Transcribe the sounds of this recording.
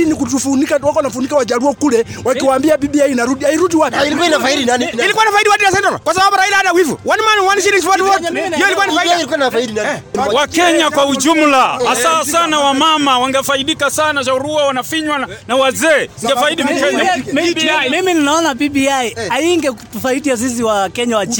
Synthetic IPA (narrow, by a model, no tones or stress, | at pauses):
inikutufunikawakɔwanafunikawad͡ʒaɾuɔkulɛ | wakiwaːmbiabiɓiainaɾudiaiɾudiwapilikwanafaidinaniilikuainafaiɗiwadinasɛntɔla̰kwasaɓabuɾailaaɗawivṵwanimanwaniʃiɾiŋs̬pɔtfɔhijɔilikwanaiknafaiiawakɛɲakwaud͡ʒumlahasaasanawamamawaŋɡafaiɗikasanaʃaɾuawanafiɲwananawazɛːiŋɡafaiɗimɛɲammimininaɔnapibiaiaiŋɡɛku̥tufaiɗiaziz̬iwakɛɲawat͡ʃ